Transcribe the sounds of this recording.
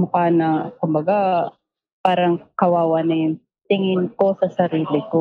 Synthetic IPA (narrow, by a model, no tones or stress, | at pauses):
mɐkaːnɐkʊmbɐɡa | paːɾɐŋkɐwaːwɐnɐjʊŋ | t̪ɪŋɪnko̞sɐsɐɾiːlɪko